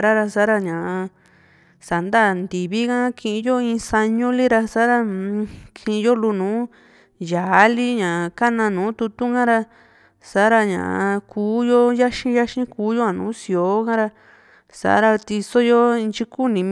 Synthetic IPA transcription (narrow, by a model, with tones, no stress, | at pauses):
ɾa˦ɾa˧sa˨˦ɾa˧ɲã˨a˧ | sa˨nd̪a˦˨nd̪i˨βi˦kã˦kʰĩ˧ʔĩ˧jo˦ĩ˧sa˧ɲũ˦li˦ɾa˧sa˦ɾa˧kʰĩ˧ʔĩ˧jo˦lu˧nũː˨˦ | ja˨˦li˦ɲã˨ka˦nã˧nũː˨˦t̪u˧t̪u˦kã˦ɾa˧ | sa˨˦ɾa˧ɲã̰˨a˧kʰuː˨˦jo˦ja˦ʃĩ˦ja˦ʃĩ˦kuː˨˦jo˦a˨nṵ̃ː˨˦si˧˨o˨˦kã˦ɾa˧ | sa̰˨ʔa̰˦ɾa˧t̪i˧so˦jo˦˧nt͡ʃi˦ku˦nĩ˨˧m